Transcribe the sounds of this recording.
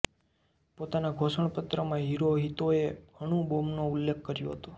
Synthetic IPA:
pot̪anaɡʱosəɳ̃pət̪ɾəmãɦiɾoɦit̪oeɡʱəɽ̃ũbomnoʊlːek̚ʰkəɾjõɦət̪ũ

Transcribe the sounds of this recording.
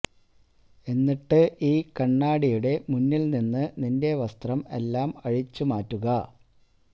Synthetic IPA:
e̞nːiʈːɨʔiːkɐɳːaːɽijuɽe̞munːilninːɨninde̞ʋɐst̪rɐme̞̰lːaːmɐɻit͡ɕːumaːtːuɣɐ

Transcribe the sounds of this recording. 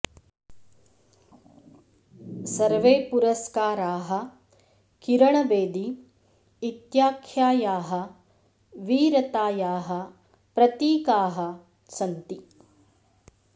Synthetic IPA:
sɐɾʋeːpuɾɐskaːɾaːɦɐ̆ | kiɾɐɳɐbeːd̪iː | t̪jaːkʰjaːjaːɦɐ̆ | ʋiːɾɐt̪aːjaːɦɐ̆ | pɾɐt̪iːkaːɦɐ̆ | t͡ʃɐnt̪i

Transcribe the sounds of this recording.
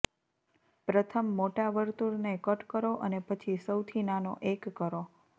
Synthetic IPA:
pɾət̪ʰəmːoʈaʋəɾt̪uɾnekəʈkəɾoʔənepət͡ʃʰisəwt̪ʰinanoʔekːəɾo

